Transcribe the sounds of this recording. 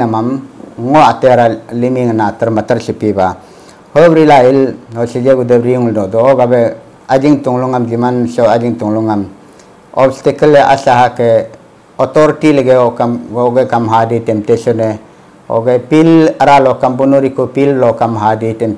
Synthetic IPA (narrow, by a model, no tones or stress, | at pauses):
amamŋoat̪eɾalimiŋanat̪ɐɾmɐt̪ɐɾɬipiba | hobɾilailoɬid͡ʒeɡud̪ebɾiŋlnɔd̪ɔoɡabe | ad͡ʒiŋt̪uŋluŋamd͡ʒimanɬɔad͡ʒiŋt̪uŋluŋam | ɔbst̪ikəleʔa̰ɬaɦake | ɔt̪ɔɾitileɡeokamɡoɡekamɦaditemp̚teɬɔne | o̰ɡepilaɾalɔkambunuɾikupillɔkamɦaditem